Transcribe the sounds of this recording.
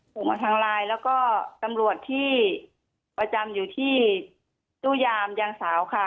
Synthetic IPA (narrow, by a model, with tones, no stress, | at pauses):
pʰo˨˩˦mʔa˧t̪ʰaː˧ŋlaː˧jlɛː˦˥wkɔː˥˩t̪a˧mlu˨˩ət̪ʰːiː˥˩ | pa˧t͡ɕa˧mjuː˨˩t̪ʰiː˥˩ | t͡ɕ̪uː˥˩jaː˧mjaː˧ŋsaː˩˦wkʰa˧˩